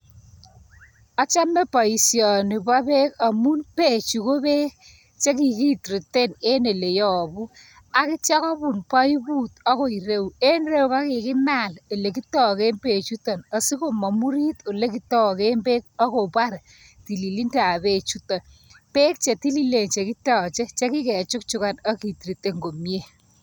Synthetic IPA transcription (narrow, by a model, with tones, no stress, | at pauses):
a˦t͡ʃa˦me˦pa˨i˨sjɔ˨nɪ˨ba˦be˦ka˨mu˦npe˦˨t͡ʃu˨ko˦be˦ | t͡ʃe˦ki˨ki˦tɾi˨te˦˨ne˦ne˨le˨jɔ˨bu˦ | a˨kɪ˦t͡ʃa˦kɔ˦bu˨npa˦i˦bu˦tɔ˦ko˨i˨ɾe˦u˨e˦nre˦u˦ka˦kɪ˨kɪ˦ma˦˨le˨le˨ki˦tɔ˦ke˦mpe˨t͡ʃu˦tɔ˨na˨si˦ko˨mɔ˨mu˦ɾi˦t̪o˨le˦ki˦tɔ˦ke˦mbe˦k̚ɔ˦ko˨pa˦ɾ | ti˨li˨li˦nda˨be˦t͡ʃu˦tɔ˨n | pe˦k̚t͡ʃe˨ti˦li˨le˨nt͡ʃe˨ki˦tɔː˨t͡ʃe˦t͡ʃe˦ki˦kɛ˨t͡ʃʊ˦k̚t͡ʃu˦ka˨nɔ˦ki˨tɾi˨te˦ŋɡo˨mje˦˨